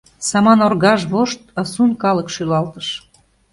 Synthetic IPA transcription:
sɑmɑnorɣɑʒβoʃt̪ɑsunkɑləkʃylɑlt̪əʃ

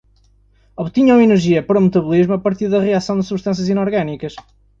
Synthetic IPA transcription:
ɔβt̪iɲawinɨɾʒiɐpɐɾɔmɨt̪ɐβulˠiʒmuɐpɐɾt̪iɾðɐʁiasɐ̃w̃d̪ɨsuβʃt̪ɐ̃sjɐzinɔɾɣanikɐʃ

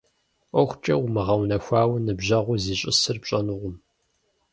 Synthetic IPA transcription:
ʔʷɔxʷt͡ʃʼɐ̰wmɨʁɐwnɐxʷaːwnɨbʑɐʁʷʊziːɕʼɪ̰sɨrpɕʼɐnʊʁʷʊm

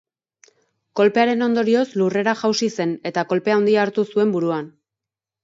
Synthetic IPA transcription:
ko̞lpe̞aɾe̞no̞nd̪o̞ɾio̞slure̞ɾaʝawsise̞ne̞t̪ako̞lpeaond̪iaːɾt̪usue̞mbuɾuan

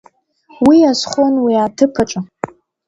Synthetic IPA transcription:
wiasχʷonwiatʰɨpʰaʈ͡ʂʷʼa

